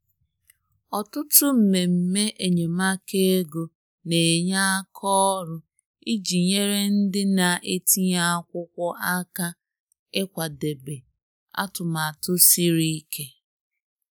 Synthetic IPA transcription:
ɔ˨tʊ˦tʊ˦m̩˨me˨m̩˨me˦ʔe˨ɲe˨ma˦ke˦e˦ɡo˨ | ne˨ɲa˦a˦kʰɔ˦ɾʊ˦ | i˦d͡ʒi˨ɲe˦ɾe˦n̩˦dɪ˦na˨ʔe˦ti˦ɲa˦a˦kʷʊ˦kʷɔ˦ʔa˦ka˦ | ɪ˦kʷa˨de˨be˨ | a̰˦tʊ˨ma˨a˨tʊ˦si˦ɾi˦kʰe˦

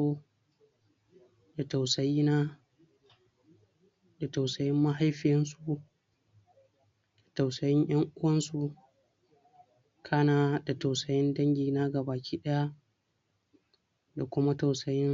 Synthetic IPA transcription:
oː˦ | da˨ta˨wsɐ˨jiː˦na˦ | da˨ta˨wsɐ˨jɪ˦mːa˦ɦa˦jɸɪ˨jɐ˦nsu˨ | da˨ta˨wsɐ˨jɪ˦ɲj̰ɐ˦ŋʔʊ˦wɐ˦nsu˨ | kʰaː˦naː˨da˨ta˨wsɐ˨jɪ˦ndɐ˦ŋɡʲiː˨na˦ɡa˨baː˨kʲʰiː˦ɗɐ˦ja˦ | da˨kʷʊ˦ma˦ta˨wsɐ˨jɪ˦n

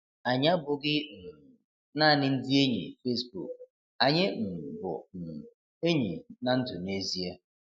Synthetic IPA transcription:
a˨ɲa˦bʊ˨ɡɪ˦m̩˨ | naː˦˨nɪ˦n̩˦di˦e˦ɲḛ˨fe˦sbṵ˨k̚ | a˨ɲɪ˦m̩˨bʊ̰˨m̩˨ | e˦ɲḛ˨na˨n̩˦tʊ˨ne˦zi˦ea˦

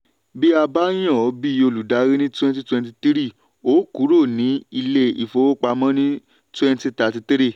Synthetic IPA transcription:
bi˦a˧ba˦j̃ã˦˨ɔ˨˦bi˦˧o˧lu˨da˨˦ɾi˦nĩ˦twɛ̃˦nti˦twɛ̃˧nti˧ti˦ɾi˦˨ | o˨˦ku˨˦ɾo˦˨nĩ˨˦i˧le˧ḭ˨fo˧˦wo˦k͡pa˧mɔ̃˦nĩ˦ | twɛ̃˧nti˧ta˨˧ti˧ti˦ɾi˦˨

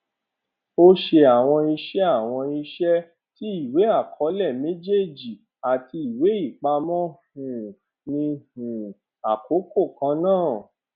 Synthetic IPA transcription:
o˦ʃe˧a˨w̃ɔ̃˧i˧ʃɛ˦a˦˨w̃ɔ̃˧i˧ʃɛ˦ | ti˦i˦˨we˨˦a˦˨kʰɔ˨˦lɛ˦˨me˦d͡ʒe˦˨d͡ʒi˨ | a˨ti˧i˨we˨˦i˦˨k͡pa˧mɔ̃˦hũ˨ | nĩ˧hũ˨ | a˨ko˨˦ko˦˨kã˨˧˦nãː˦˨

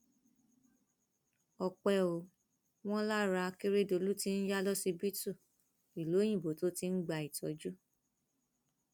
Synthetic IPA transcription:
ɔ˧k͡pɛ˧˨o˨ | w̃ɔ̃˦la˦ɾa˧ke˦ɾe˦do˧lu˦ti˦n̩˦ja˦lɔ˦si˧bi˦tu˦˨ | i˨lo˨˦j̃ĩ˦˨bo˨to˨˦ti˧n̩˦ɡ͡ba˧˨i˨tɔ̰˨˦d͡ʒu˦

